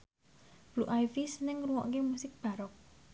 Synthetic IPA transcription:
b̥luʔajfisnɪŋruwɔ̰ʔkemusɪk̚b̥a̤ɾɔk̚

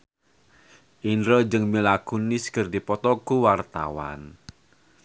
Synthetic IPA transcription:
ʔinɾɔd͡ʒɨŋmilakuniskərdipɔt̪ɔkuwart̪a̰wa̰n

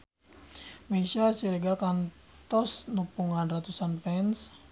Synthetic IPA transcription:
mesasiɾiɡalkan | t̪ɔsnupuŋanrat̪usanpɛns

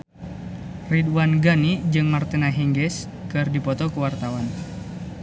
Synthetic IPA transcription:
ridwanɡanid͡ʒɨŋmart̪inaɦɛŋɡɛs | kɨrdipɔt̪ɔkuwart̪awan

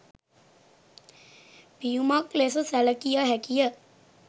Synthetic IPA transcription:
pijumaklesəsæləkijəɦækijə

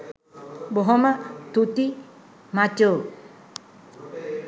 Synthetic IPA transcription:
bɔɦɔmat̪ut̪i | mat͡ʃo

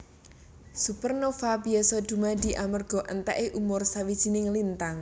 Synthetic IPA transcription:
supərnofabiɛsɔd̪̥ṳmad̪i̤ʔamərɡ̥ɔ̤ʔənt̪ɛʔeʔumʊrsawid̥ʒ̥i̤nɪŋlint̪aŋ

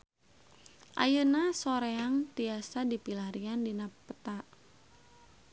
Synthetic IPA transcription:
ʔa̰jənasoɾeaŋt̪iasadipilaɾiandinaət̪aʔ

